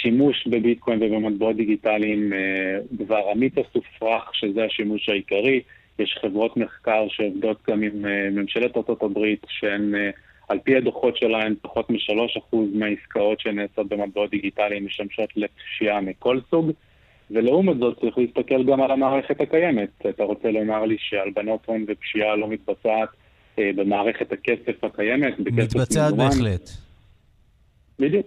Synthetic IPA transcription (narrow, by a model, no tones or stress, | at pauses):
ʃimuʃbebitkʰo̞jnvebemat̚beo̞t̚d̪iɡitalimedvaʁamit͡sasufʁaχʃe̞zeaʃimuʃhaikaʁi | jeʃχe̞vʁo̞tme̞χkaʁʃeo̞vdo̞tɡamimeːemʃe̞letaʁto̞tabʁitʃeen | alpiad̪oχo̞tʃe̞laempaχo̞tmiʃalo̞ʃaχuzmeaiskao̞tʃeneːso̞t̚be̞mat̚beo̞t̪̚d̪iɡitalimːiʃtamʃo̞tletʃiamiko̞lsuɡ | veleumotzo̞t̚t͡saʁiχleist̪ake̞lɡamalamaːʁe̞χe̞thakaje̞me̞tataʁo̞t͡selo̞maʁliʃe̞albano̞t̪onvepʃialo̞mit̪̚bat͡saːt | be̞maːʁe̞χe̞thakese̞fhakaje̞me̞tbekesefmemanlet | bidjuk